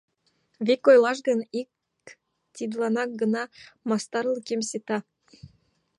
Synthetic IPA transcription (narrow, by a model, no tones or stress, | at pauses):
vʲikojlˠɑʃ̬ɡə̆nik | t̪ʲid̪lɑnɑk̚ɡə̆nɑmɑst̪ɑɾlˠɤkʲemsʲet̪ɑ